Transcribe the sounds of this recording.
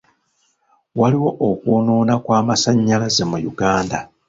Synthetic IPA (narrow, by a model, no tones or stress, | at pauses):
waliwo̞ʔokwuːnoːnakwaːmasaɲːalaze̞mujuɡaːnda